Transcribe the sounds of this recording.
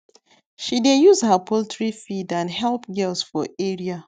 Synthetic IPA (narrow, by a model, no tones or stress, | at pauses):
ʃidejuzhapʰoltʰɹifidãnɦɛlpɡɛlsfɔeɹia